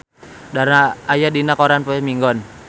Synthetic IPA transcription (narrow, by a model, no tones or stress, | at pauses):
daɾaajadinakɔɾanpɔɛmiŋɡɔn